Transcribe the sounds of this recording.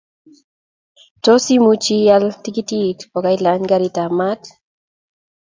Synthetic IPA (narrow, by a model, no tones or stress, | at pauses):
tosimut͡ʃialt̪ikit̪it̪pokajlanɡaɾit̪amat̪